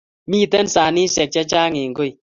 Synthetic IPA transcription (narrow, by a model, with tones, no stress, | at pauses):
miː˦˨tɛ˦nsaː˨ni˦sɛ˨k̚t͡ʃa˦t͡ʃa˦ŋe˨ŋɡo˦˨i˨